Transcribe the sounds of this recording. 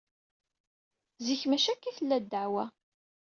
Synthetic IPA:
ziçmæʃækːiθəlːæd̪ːəʕwæ

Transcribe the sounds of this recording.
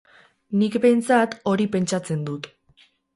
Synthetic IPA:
nikbe̞jnt͡sat̪o̞ɾipe̞nt͡ʃat͡se̞nd̪ut̪

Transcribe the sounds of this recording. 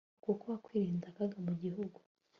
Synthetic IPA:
kukuβakwiːɾiːndakaɡamuɟihuɡu

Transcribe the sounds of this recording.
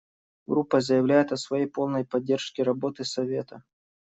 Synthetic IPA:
ɡɾupːəzəjɪvlʲæjɪt̪ɐsvɐjejpo̞lˠnəjpɐdʲːe̞rʂkʲɪɾɐbo̞t̪ɨsɐvʲe̞t̪ə

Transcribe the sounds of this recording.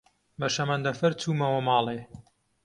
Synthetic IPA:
bɐʃɐmɐnd̪ɐfɐɾt͡suːmɐwɐmɑːlˠeː

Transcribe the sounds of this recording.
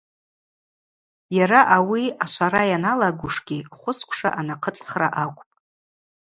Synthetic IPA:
jaɾaʔawiaʃʷaɾajanalaɡʷʊʂɡʲiχʷʊt͡sʰkʷʰʂa̰ʔanaqʰət͡sʼχra̰ʔakʷʼpʼ

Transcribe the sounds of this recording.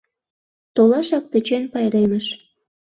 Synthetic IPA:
t̪olɑʃɑk̚t̪ə̆t͡ɕenpɑjɾemə̆ʃ

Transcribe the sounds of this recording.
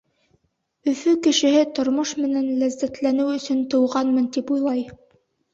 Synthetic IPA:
ɵ̆fɵkɘ̆ʃɘ̆ɦɘt̪ŏɾmoʃmɘ̆nænlæzːæt̪lænɘwɵ̆sɵnt̪ɤ̆wʁɑnmɤnt̪ipujlˠɑj

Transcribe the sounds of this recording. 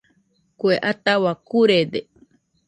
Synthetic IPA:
kweʔat̪awakuɾed̪e

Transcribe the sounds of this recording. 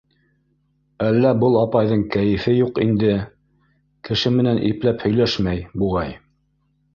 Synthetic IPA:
ælːæbɤlˠɑpɑjðɤɴkæjɘ̆fɘjuqind̪ɘ | kɘ̆ʃɘmɘ̆nænʔḭplæphɵ̆jlæʃmæjbuʁɑj

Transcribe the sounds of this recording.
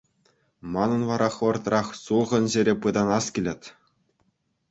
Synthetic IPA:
mɑnɤ̆nʋɑɾʔɑχʋɤ̆rt̪rɑχsulˠʁɤ̆nʑeɾʲepɯd̪ɑnɑskʲilʲĕtʲ

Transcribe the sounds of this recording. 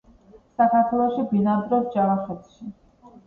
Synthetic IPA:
sakʰaɾt̪ʰwɛlˠɔʃibinad̪ɾɔɾd͡ʒaɾaχɛt̪ʃi

